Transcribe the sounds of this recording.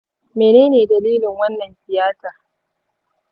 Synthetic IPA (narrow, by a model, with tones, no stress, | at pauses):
meː˨neː˦neː˨dɐ˨liː˦lɪ˨ŋwɐ˦nːɐ˨nɸɪ˨jaː˦taː˨